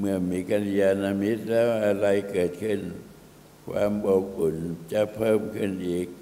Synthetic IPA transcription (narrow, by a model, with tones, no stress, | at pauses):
mɯ˧˩ɐmiː˧˥ka˧ni˧jaː˧naː˧mi˦˥t̪̚lɛː˦˥wʔa˧ɾa˧jkɤː˨˩t̪̚kʰɯ˥˩n | kʰwa̰ː˧mbɔ˨˩ku˨˩˦nt͡ɕa˧˩pʰɤː˥˩mkʰɯ˧˥˩nʔiː˨˩k̚